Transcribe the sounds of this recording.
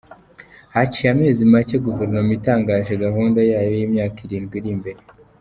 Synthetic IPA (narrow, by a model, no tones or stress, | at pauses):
hat͡ʃijame̞ːzimaceɡuveɾnomuitaːŋɡaːʒeɡaɦuːndajaːjo̞jiːmɲaːkiɾiːnɡwiɾimbe̞ɾe̞